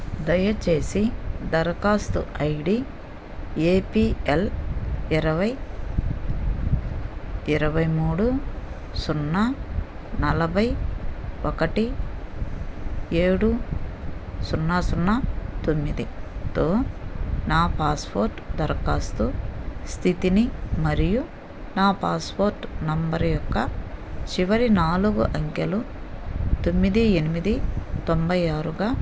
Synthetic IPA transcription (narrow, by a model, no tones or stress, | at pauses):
d̪ɐjɐt͡ʃe̞ːsid̪ɐɾkaːst̪uɐjɖi | eːpiːeliɾɐʋɐj | iɾɐʋɐjmuːɽu | sunːa | nɐlɐbʱɐj | ɔkɐʈi | eːɽu | sunːaːsunːɐt̪omːid̪it̪o̞ːnaːpaːspʰoːɾʈd̪ɐɾkaːst̪ust̪ʰit̪inimɐɾiju | naːpaːspoːɾʈnɐmbɐɾjɔkːɐt͡ʃiʋɐɾinaːluɡuʔɐŋkɐlu | t̪o̞mːid̪ienimid̪it̪ombɐjaːɾuɡaː